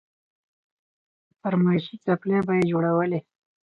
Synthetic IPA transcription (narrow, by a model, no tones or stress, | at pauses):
fəɾmaʃit͡saplebajed͡ʒoɽawəle